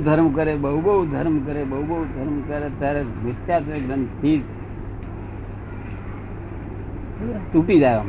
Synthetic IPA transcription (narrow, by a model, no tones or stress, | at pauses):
d̪ʱəɾmkəɾebəɦubəɦud̪ʱəɾmkəɾebəubəɦud̪ʱəɾmkəɾet̪aɾemɪsjat̪eɡɾənpʰiːd͡ʒ | t̪uʈid͡ʒaʋam